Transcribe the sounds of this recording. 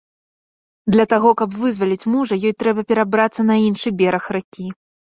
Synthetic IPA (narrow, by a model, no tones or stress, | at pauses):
d̪lʲɐt̪aɣɔkɐbvɨzvɐlʲit͡sʲmuʐɐjɔjt̪ɾɛbɐpʲɛɾabɾat̪sːɐnɐinʂɨbʲɛɾɐxrakʲi